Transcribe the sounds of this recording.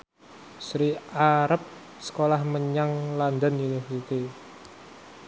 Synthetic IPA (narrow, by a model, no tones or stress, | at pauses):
sɾiaɾəp̚ | sə̥kolahməɲaŋland̪anunifəɾit̪i